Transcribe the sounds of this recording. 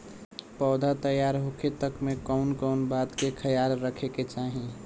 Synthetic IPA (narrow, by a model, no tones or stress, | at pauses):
pɔːd̪ʱat̪əjaːɾɦoket̪əkmẽkɔʊnkɔʊnbaːt̪kekʰəjaːɾɾəkʰeket͡ʃaːɦĩ